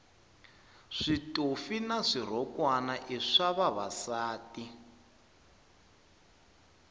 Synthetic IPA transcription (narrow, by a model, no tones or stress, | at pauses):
ʂitʼofinaʂir̤ɔkwanaʔiʂaβaβa̰saːti